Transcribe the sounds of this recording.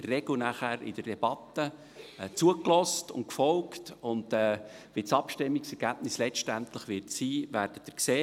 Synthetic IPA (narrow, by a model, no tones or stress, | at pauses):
ərːɛɡ̥l̩næχæɾɪ̰d̥ərd̥ɛb̥ɑt̪ːə | t͡suəklɔstʊntkfɔlktʊnd̥ɛːʋit͡sɑpʃtɪmːiksɛɾɡ̥æb̥nɪslɛt͡ʃtæntləχʋɪɾtsiːvæɾd̥ət̪əkseː